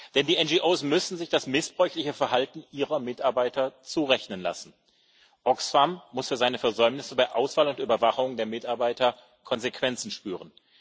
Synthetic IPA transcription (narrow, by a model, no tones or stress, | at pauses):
d̥ɛndiːɛnd͡ʒiʔoːsmʏsn̩zɪçd̥asmɪsb̥ʁɔʏçlɪçəfɛɐɦaltn̩ʔiːʁɐmɪtaɐbaɪtɐt͡suːʁɛçnənla̰sn̩ | ʔɔksfamːʊsfyːɐzaɪnəfɛɐzɔʏmnɪsəbaɪʔaʊsv̥aːlʊntʔyːbɐvaχʊŋdeːɐmɪtaɐbaɪtɐ | kʰɔnzekv̥ɛnt͡sn̩ʃpyːʁən